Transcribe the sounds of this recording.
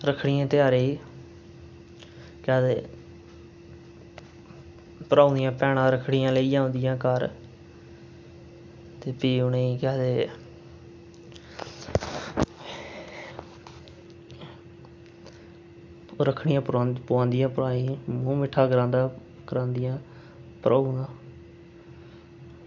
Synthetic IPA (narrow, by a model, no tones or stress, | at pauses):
ɾəkʰɽɪjãːt̪ɪaːɾeːiː | kɛːd̪eː | pəɾʔaːnd̪ijãːpɛːɽãːɾəkʰɽɪjãːləijãːõːnd̪ɪjãːkəɾ | t̪eːpiːʊneːikɛːd̪eː | ɾəkʰɽɪjãːpaːpʊãːnd̪ɪjãːpʊɾaːĩːmõːmɪʈʰːaːɡəɾãːnd̪aː | kəɾãːnd̪ɪjãː | pəɾʔaːunãː